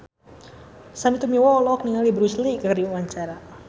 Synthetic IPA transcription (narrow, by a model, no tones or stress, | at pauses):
samit̪umiwɔlɔkniŋalibɾuslikəkrdiuwaɲt͡ʃaɾa